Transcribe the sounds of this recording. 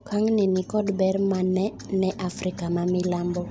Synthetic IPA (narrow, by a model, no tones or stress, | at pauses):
kʰaŋnɪnɪkɔdbɛɾmanɛ | nɛʔafrikamamɪlambɔ